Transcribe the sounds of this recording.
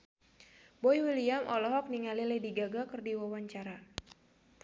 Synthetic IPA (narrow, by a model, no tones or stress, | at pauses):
bɔiwiliamʔɔlɔɦɔk̚niŋalilɛdiɡaɡakɨrdiwawaɲt͡ʃaɾa